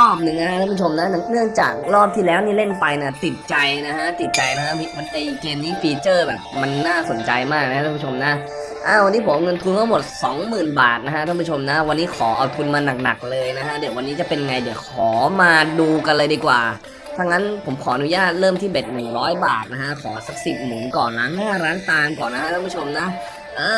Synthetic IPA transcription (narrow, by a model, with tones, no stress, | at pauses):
ɾɔː˥˩p̚nɯ˧˩ŋna˦˥a˦˥ʔ̪ʰa˥˩pʰu˥t͡ɕʰo˧mna˦˥n˥nɯ˥˩əŋt͡ɕa̰ː˨˩k̚ɾɔː˥˩p̚t̪ʰiː˥˩lɛː˦˥wniː˥˩le˥˩npa˧jniː˥˩t̪i˨˩t̪̚t͡ɕa˧jna˦˥kʰa˦˥t̪i˨˩t̪̚t͡ɕa˧jna˦˥kʰa˦˥mi˧ma˧nːa˧˩ji˨˩keː˧mniː˦˥fiː˧t͡ɕɤː˥˩bɛ̰ː˨˩p̚ma˧nːaː˥˩so˩˦nt͡ɕa˧jmaː˥˩k̚na˥kʰa˦˧a˥˧˩pʰu˥t͡ɕʰo˧mna˦˥ʔ | ʔaː˧˩wa˧nːi˦˥pʰo˩˦mʔŋɤ˧nt̪ʰu˧nkaː˥˩mo˨˩t̪̚sɔː˩˦ŋmɯː˨˩nbaː˨˩t̪̚na˦˥kʰa˦˥ʔ̪ʰa˥˩˨p̬ʰu˥˩t͡ɕʰo˧mna˦˥wa˧nːiː˦˥kʰɔː˩˦ʔa˧wt̪ʰu˧nmaː˧na˨˩k̚na˨˩k̚lɤː˧jna˦˥kʰa˦˥dɯ˨˩˦wa˧nːiː˦˥t͡ɕa˨˩pe˧nja˧ŋa˧jdɯ˩˦kʰɔː˩˦maː˧duː˧ka˧nlɤː˧jdiː˧kwaː˨˩ | t̪ʰa˧ŋna˦˥npʰo˩˦mkʰɔː˩˦ʔnu˦˥jaː˥˩t̪̚ɾɤː˥˩mt̪ʰiː˥˩be˨˩t̪̚nɯ˨˩ŋɾɔː˦˥jbaː˨˩t̪̚na˦˥kʰa˦˥kʰɔː˩˦sa˨˩k̚si˨˩p̚nɯ˨˩˦ŋkɔː˨˩nlaː˦˥ŋhaː˥˩ɾaː˦˥nt̪aː˧nŋkɔː˨˩na˦˥a˦˥t̪ʰpʰu˥˩o˧mna˦˥ʔ | ʔaː˧